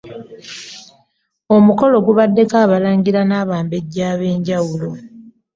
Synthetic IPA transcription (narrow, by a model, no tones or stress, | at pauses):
o̞muko̞lo̞ɡuβadːe̞kaːβalaːɲɡiɾanaːβaːmbe̞ɟːaːβe̞ːɲɟawulo̞